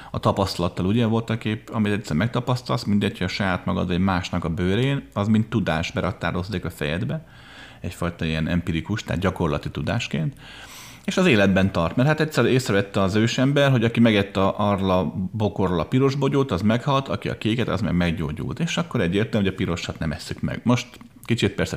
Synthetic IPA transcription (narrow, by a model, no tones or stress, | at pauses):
ɒt̪ɒpɒst̪ɒlɒt̪ːɒluɟɛvo̞lt̪ɒkeːpɒmit̪ɛt̪sːɛɾmɛk̚t̪ɒpɒst̪ɒlsmind̪ɛchojɒʃɒjaːt̪mɒɡɒ̰d̪vɒɟmaːʃnɒkɒbøːɾeːnɒzmint̪ːud̪aːʃbɛɾɒkt̪a̰ːɾo̞zːeːkɒfɛ̰jɛ̰d̪bɛ | ɛcfɒjt̪ɒijɛnɛ̰mpiɾikuʃt̪a̰ːd̪̚ɟɒko̞rlɒt̪it̪ud̪a̰ːʃkḛːnt̪ | eːʃɒzeːlɛd̪bɛnt̪ɒrt̪mɛrhat̪ɛc̪ʲsːɛɾeːsrɛvɛt̪ːɛɒzøːʃɛmbɛrɦo̞ɟɒkimɛɡɛt̪ːɒʔɒrlɒbo̞korolɒpiɾo̞ʒbo̞ɟoːt̪ɒzmɛkhɒlt̪ɒkiɒ̰keːkɛt̪ɒ̰zmɛ̰ɡmɛɡɟo̰ːɟṵlt̪eːʃɒkːo̞ɾɛɟːeːrt̪ɛlmoɟɒpiɾo̞ʃɒt̪nɛmɛsːykmɛ̰ɡ̥mo̞ʃt̪ | kit͡ʃit̪̚pɛrsɛ